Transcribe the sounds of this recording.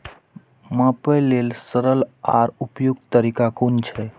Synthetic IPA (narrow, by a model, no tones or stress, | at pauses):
mə̃pəjlelsəɾəla̰ɾupjuɡ̚t̪əɾikakunt͡ʃʰe